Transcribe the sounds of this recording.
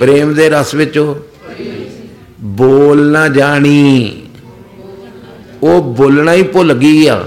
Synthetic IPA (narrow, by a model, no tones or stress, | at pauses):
pɾeːmd̪eːɾəsʋɪt͡ʃoː | boːlnãːd͡ʒaːɽ̃iː | oːboːlnaːiːpoləɡiːa̰ː